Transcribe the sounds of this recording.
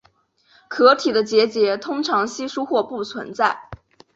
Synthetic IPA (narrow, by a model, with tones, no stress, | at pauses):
kʰɤ˧˥t̪ʰi˨˩d̪ə˦t͡ɕjɛ˧˥t͡ɕjɛ˧˥t̪ʰʊ˥ŋʈ͡ʂʰɑ˧˥ŋɕi˥ʂu˥xwɔ˥˧pu˥˩t͡sʰwə̰˧˥nt͡sa˥˩ɪ